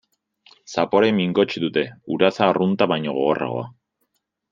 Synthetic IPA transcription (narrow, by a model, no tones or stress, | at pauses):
sapo̞ɾemiŋɡo̞t͡ʃiðut̪e̞uɾasaːrunt̪aβajɲo̞ɣ̞o̞ɣo̞rʔa̰ɣo̞̰a̰